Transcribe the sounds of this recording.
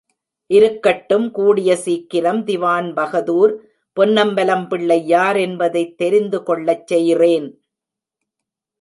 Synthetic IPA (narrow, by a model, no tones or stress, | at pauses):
ʔɪɾɯkːɐʈːɯmkuːɽɪjɐsiːkːɪɾɐmd̪ɪʋaːnbɐɣɐðuːɾ | pɔnːɐmbɐlɐmpɪɭːɐɪːaːɾɛnbɐðɐɪt̪ːɛɾɪnd̪ɯkɔɭːɐt͡ʃːɛjreːn